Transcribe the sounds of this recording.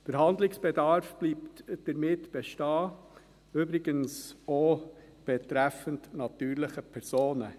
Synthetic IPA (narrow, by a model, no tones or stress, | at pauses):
d̥əɾɦɑndlɪksb̥ɛdɑɾfb̥liːptd̥əɾmɪtb̥ɛʃtɑː | øbɾɪɡənso | b̥ɛtɾæfəntnɑtyːɾlɪχəpʰɛɾsoːnə